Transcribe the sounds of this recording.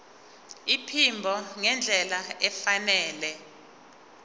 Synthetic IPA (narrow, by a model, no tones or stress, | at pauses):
ipʰimbʱɔŋɛnd͡ɮʱɛlaɛfanɛːlɛ